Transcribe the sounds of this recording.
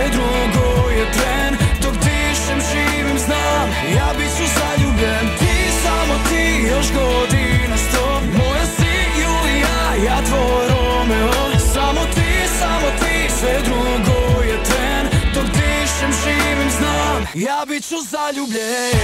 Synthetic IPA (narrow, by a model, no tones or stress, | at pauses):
ɛd̪ɾu | ɡojɛt̪ɾɛnd̪okt̪i | ʃɛmʒi | ʋimzna | m | jaːbit͡ɕuzaʎubʎent̪i | samot̪ijoʃɡod̪inast̪o | mojasi | julija | jat̪ʋo | ɾo | mɛ | samot̪i | samot̪isɛd̪ɾuɡojɛt̪ɾɛnd̪ok̪iʃɛmʒiʋimznamjaːbit͡ɕuzaʎubʎe